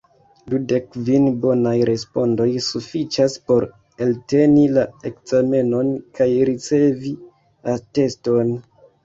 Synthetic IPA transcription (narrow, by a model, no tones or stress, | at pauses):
dude̞kvinbo̞najɾe̞spo̞ndo̞jsufit͡ʃaspo̞ɾ | elte̞nilae̞kz̥ame̞no̞nkajɾit͡se̞vi | ate̞sto̞n